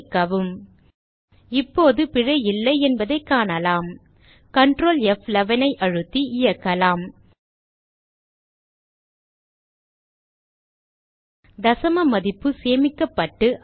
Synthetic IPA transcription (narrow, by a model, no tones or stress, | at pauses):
kːɐʋɯm | ɪpːoːðɯpɪɻɐjɪlːɐɪɛnbɐðɐɪkːaːnɐlaːm | kɐɳɖɾoːlɛflɐʋɐnɐɪʔɐɻɯt̪ːiʔɪjɐkːɐlaːm | d̪ɐsɐmɐmɐðɪpːɯseːmɪkːɐpːɐʈːɯʔ